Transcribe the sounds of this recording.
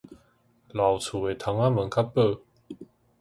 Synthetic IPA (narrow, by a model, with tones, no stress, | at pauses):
la˨˩wt͡sʰu˨˩e˨˩t̪ʰa˧˥˦ŋa˦˥mə˨˦nkʰa˥pːə˥˧˨